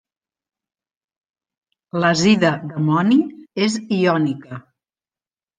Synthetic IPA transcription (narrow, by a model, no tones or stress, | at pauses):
ləziðəðəmɔnieziɔnikə